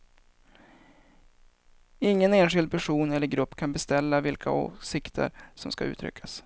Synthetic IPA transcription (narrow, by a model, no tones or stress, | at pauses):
ɪŋːəneːnɧɪld̪̚pʰæʂuːnɛlːəɾɡɾɵpːkʰanbɛst̪ɛlːavɪlkʰa̰o̰ːsɪkt̪ʰə̰ɾsɔmskaʉ̟ːt̪ʰɾʏ̰kʰːas